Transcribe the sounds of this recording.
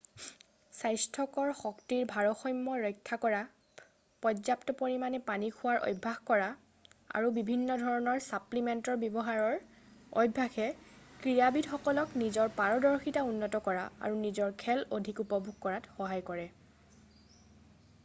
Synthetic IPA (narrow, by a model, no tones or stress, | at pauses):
sajstʰɔkɔɹxɔktiɹbʱaɹɔxɔjmːɔɹɔjkʰːakɔɹa | pɔzaptɔpoɹimanɛpanikʰʊwaɹʔɔ̰jbʱːaxkɔɹa | a̰ɹubibʱinːɔdʱɔɹɔnɔɹsaplimɛntɔɹbɔbɔɦaɹɔɹ | ɔ̰jbʱːaxɛkɹijabidxɔkɔlɔknizɔɹpaɹɔdɔɹxitaunːɔtɔkɔɹaa̰ɹunizɔɹkʰɛlodʱikupɔbʱuɡ̚kɔɹatxɔɦajkɔɹɛ